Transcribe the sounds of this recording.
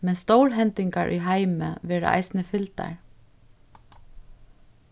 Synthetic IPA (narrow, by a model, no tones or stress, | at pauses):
mɛnst̪owɹɦɛnt̪ɪŋkaɹʔʏ̰ːɦaɪmə̰ʋɛːɹə̰ʔɑ̰ɪsn̩əfɪlt̪a̰ɹ